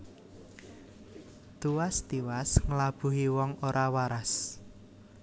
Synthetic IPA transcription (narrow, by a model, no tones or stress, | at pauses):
t̪uwast̪iwasŋəlab̥ṳɦiwɔŋoɾʔawaɾas